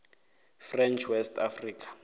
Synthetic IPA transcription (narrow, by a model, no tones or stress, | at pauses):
frɛnt͡ʃʰwɛstafriːkḁ